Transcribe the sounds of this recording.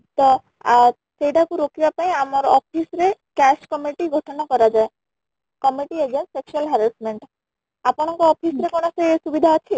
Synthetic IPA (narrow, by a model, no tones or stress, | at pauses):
t̪ɔ | a | sejʈakuɾokibapaĩamɔɾɔpʰisɾekɛskɔmiʈiɡʱɔʈɔnakɔɾad͡ʒae | kɔmiʈied͡ʒensseksualɦɛɾɛsmeɳʈ | apɔɽ̃ɔŋkɔɔpʰisɾekɔɽ̃ɔseesubid̪ʱaɔt͡ʃʰi